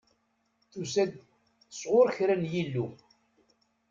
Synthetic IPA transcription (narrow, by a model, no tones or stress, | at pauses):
θusæd̪ | əsˤʁʊɾçɾænjilːu